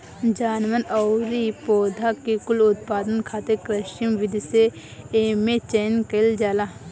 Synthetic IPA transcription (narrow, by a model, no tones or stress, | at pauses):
d͡ʒaːnʋənɔːɾipoːd̪ʱakikʊlʊt̪̚paːd̪ənkʰaːt̪ekɾɐʃimʋɪd̪ʱiseː | met͡ʃenkɐld͡ʒaːlaː